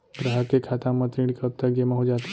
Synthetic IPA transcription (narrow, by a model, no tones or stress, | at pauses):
bɾəɦakekʰat̪ãmət̪ɾiɽkʰəp̚t̪aɡemaɦud͡ʒat̪